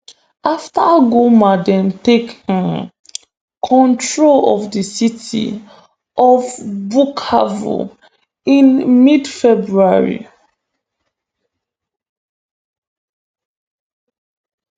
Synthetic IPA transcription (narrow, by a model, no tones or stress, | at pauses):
ʔaftaɡomadɛ̃ntekãn | kʰɔ̃ntɹolɔvdəsitʰḭ | ʔɔvbukʰa̰vo̰ | ĩnmidfɛbɹuaɹḭ